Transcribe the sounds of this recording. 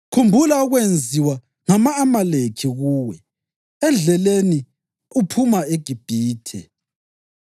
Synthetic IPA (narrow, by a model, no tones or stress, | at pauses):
kʰumbʱulauɣwend͡zʱiwa | ŋamaːmalekʰiɣuːwɛ | ɛnd͡ɮʱɛleni | upʰumaeɡ̥ʱib̥ʱiːtʰɛ̰